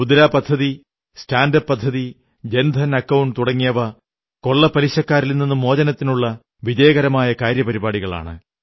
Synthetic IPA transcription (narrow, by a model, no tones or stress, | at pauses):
bud̪ɐlaːpɐd̪ʱːɐði | staːndɐpːɐd̪ʱːɐði | d͡ʑend̪ʱɐnɐkːɐwuɳɖt̪uɽɐŋːijɐʋɐ | ko̞ɭːɐpɐliɕɐkːaːɾilnːinːumo̞ːd͡ʑɐnɐt̪ːinuɭːɐ | ʋid͡ʑɐjɐɣɐɾɐmaːjɐkaːɾjɐpɐɾibaːɽiɣɐɭa̰ːɳɨ̰